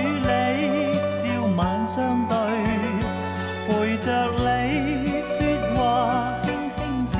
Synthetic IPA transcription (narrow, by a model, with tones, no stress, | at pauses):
le˨˧˥jt͡siː˧wmaː˨˧˥nsœː˥ŋt̪ɵ˧ɥ | kuː˨˩jt͡ʃœː˧k̚le˨˧jsyː˧t̚waː˧ | hɪ˥ŋhɪ˥ŋs